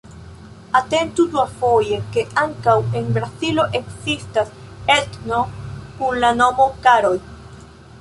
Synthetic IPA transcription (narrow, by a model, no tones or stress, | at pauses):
ate̞ntuduafo̞je̞ke̞ʔaŋkawe̞nbɾazilo̞ʔe̞kzistas | etno̞kunlano̞mo̞kaɾo̞j